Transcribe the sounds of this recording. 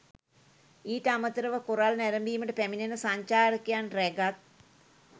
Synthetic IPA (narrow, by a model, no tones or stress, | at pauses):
iːʈəamət̪əɾəʋəkoɾalnæɾəmbiːməʈəpæminenəsaɲt͡ʃaːɾəkejanrɛɡat̪̚